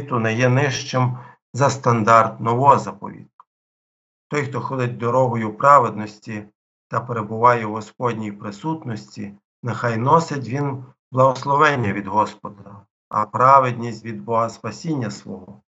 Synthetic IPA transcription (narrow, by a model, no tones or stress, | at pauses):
t̪ʊnɛjɛnɪʃt͡ʃɪm | zɐst̪ɐnd̪ɑrt̪nɔʋɔzɐpɔ̰ʋʲḭt̪̚k | t̪ɔjxt̪ɔxɔd̪ɪt̚ʲd̪ɔɾɔɦɔjʊpɾɑʋed̪nɔsʲtʲi | t̪ɐpeɾebʊʋɑjɛwɦɔspɔd̪ʲnʲijpɾɪsut̪nɔsʲtʲḭ | nexɑjnɔsɪt̬ʲʋʲin | blˠɐɦɔslˠɔʋɛnʲːɐʋʲid̪ɦɔspɔd̪ɐ | ɐ̰pɾɑʋed̪ʲnʲisʲtʲʋʲid̪̚bɔɦɐspɐsʲinʲːɐsʋɔɦɔ